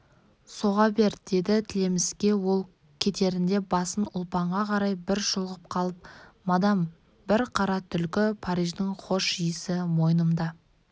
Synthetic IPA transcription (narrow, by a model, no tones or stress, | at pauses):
so̞ʁɑbe̞ɾd̪̥e̞d̪ɪt̪ʰɪle̞mɪskʲe̞wo̞lˠ | kʲʰe̞t̪e̞ɾɪnd̪e̞bɑsənʊlˠpɑɴʁɑqʰɑɾɑjbɪɾʃʊlˠʁəp̚qʰɑlˠəp̚mɑd̪ɑm | b̥ɪɾqʰɑɾɑt̪ʰʏlkʲɪpʰɑɾijʒd̪ɪɴqʰo̞ʃijəsɪmo̞jnəmd̪ɑ